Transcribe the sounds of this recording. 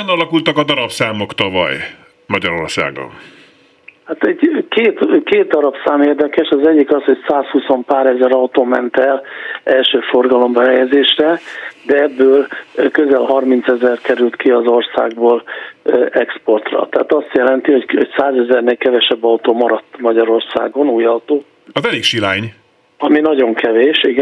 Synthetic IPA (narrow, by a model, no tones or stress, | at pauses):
ɛnɒlɒkult̪ɒkɒd̪ɒɾɒpsaːmo̞kt̪ɒvɒ̰j | mɒɟɒɾo̞̰rsa̰ːɡo̰n | hat̪ɛɟkeːt̪keːt̪dɒɾɒpsaːmeːrd̪ɛkɛʃɒzɛɟːikɒsho̞csaːshuso̞mpaːɾɛzɛɾɒut̪oːmɛnt̪ɛlɛlʃøːfo̞rɡɒlo̞mbɛɦɛjɛzeːʃrɛd̪ɛɛbːøːlkøzɛlɦɒrmint̪sɛzɛrkɛɾylt̪kiɒzo̞rsa̰ːɡ̚boːlʔɛkspo̞rt̪rɒ̰t̪ɛaːt̪ɒst̪jɛlɛnt̪iho̞ɟhoɟsaːzɛzɛrneːlkɛvɛʃɛbːɒwt̪oːmɒɾɒt̪ːmɒɟɒɾo̞rsa̰ːɡo̞nuːjɒwt̪oː | ɒzɛliːkʃilaːɲ | ɒminɒɟo̞ŋkʰɛveːʃiɡ